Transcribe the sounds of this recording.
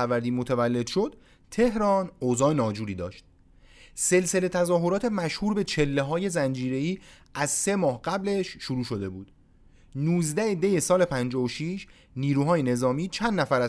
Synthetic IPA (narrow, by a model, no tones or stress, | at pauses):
ævæɾd̪iːmot̪ʰævælːe̞d̪̥ʃo̞d̪̥ | t̪ʰe̞hɾɒːnozɒːenɒːd͡ʒuːɾiːd̪ɒ̰ːʃt̪̚ | se̞lse̞le̞t̪ʰæzɒːɦo̞ɾɒːt̪ʰe̞mæʃhuːɾbe̞t͡ʃʰe̞lːeɦɒːje̞zænd͡ʒiːɾe̞iː | æzse̞mɒːɦɢæble̞ʃːuɾuːʃo̞d̪e̞buːd̪̥ | nuːzd̪æed̪ejesɒːle̞pʰænd͡ʒɒːvoʃiːʃ | niːɾuːɦɒːjene̞zɒːmiːt͡ʃʰænd̪ːnæfæɾæ